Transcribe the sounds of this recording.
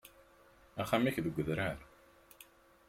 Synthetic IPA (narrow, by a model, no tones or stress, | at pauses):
æχæmiçðəɡʷːəðɾæɾ